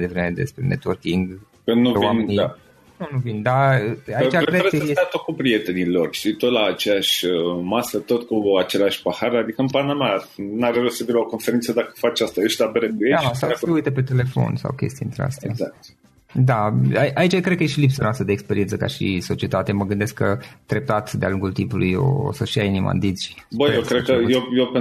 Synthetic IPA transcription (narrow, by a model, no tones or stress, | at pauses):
jd̪e̞vɾeme̞d̪e̞̰spɾenet̪wərkiŋɡ | kənuwamenija | nunuvind̪aait͡ʃaɾedɾed̪at̪okupɾiet̪enilorʃt̪it̪ot̪laːt͡ʃeaʃʲəmasət̪ot̪kuat͡ʃe̞laʃʲpahaɾad̪ikəɨmpanamanaɾelusəfiɾeoko̞nfeɾint̪səd̪akə̥fat͡ʃast̪aeʃt̪abeɾekujeasawseujt̪epe̞t̪e̞le̞fo̞̰nsa̰wkʲe̞̰st̪int̪ɾea̰st̪zakt̪ | d̪aaiʔait͡ʃakɾed̪̚kəjeʃilipsanoast̪ɾəd̪eːkspeɾient̪səka̰ʃḭso̞t͡ʃie̞t̪at̪eməɡɨnd̪e̞skət̪ɾe̞p̚t̪at̪d̪ea̰luŋɡult̪impulujo̰o̰səʃiainima̰nd̪izʲbəjewkɾed̪̚kəjjewpe